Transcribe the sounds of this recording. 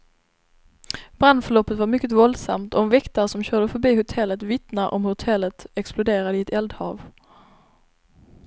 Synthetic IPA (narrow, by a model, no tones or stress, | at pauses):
bɾand̪fœɭɔpːət̪vaɾmʏkːət̪vɔld̪sa̰mt̪ɔmvɛkt̪əʂɔmɕœːɖəfœɾbiːhʊt̪ʰɛlːət̪vɪt̪naʔɔmhʊt̪ʰɛlːət̪ɛksplʊd̪eːɾad̪əɪɛt̪ʰɛld̪hɑ̰ːv